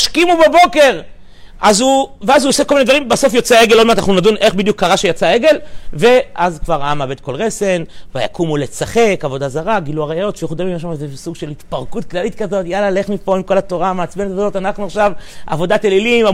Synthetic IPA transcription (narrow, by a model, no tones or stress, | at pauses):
ʃkimubebo̞ke̞ʁ | ʔazuveazuosekolminedvaʁimbaso̞fjot͡seeɡelːomeanaχnunadunʔe̞χbid̪jukːaʁaʃejat͡sae̞ɡe̞lve̞ʔazkvaʁaamabe̞d̪̚ko̞lʁese̞nvaja̰kumulet͡saχe̞kavo̞dazaʁaɡiluaʁajajo̞t̪fieχud̪amimaʃ̬amazesuɡʃe̞lit̪paʁkut̚klalitkazo̞tjalale̞χmipo̞imko̞lato̞ʁamaːt͡smenet̪avootanaχnuaχʃava̰vo̞datelilima